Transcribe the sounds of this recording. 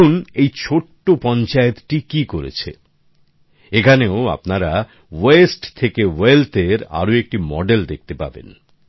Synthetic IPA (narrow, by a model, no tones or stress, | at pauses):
unejt͡ɕʰoʈːopɔnt͡ɕaet̪ʈikikoɾḛt͡ɕʰḛ | ekʰaneoa̰pnaɾa | wesʈt̪ʰekewelt̪eɾa̰ɾoek̚ʈimɔ̰ɖeld̪ek̚t̪epa̰bḛn